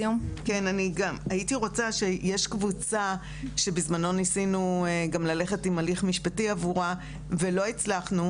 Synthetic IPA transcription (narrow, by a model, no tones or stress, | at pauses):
omkenaniɡamaitiʁo̞t͡saʃe̞jeʃkvut͡sa | ʃe̞bizmano̞nisinueɡamlale̞χe̞timaliχmiʃpatiavuʁa | ve̞lo̞it͡slaχnu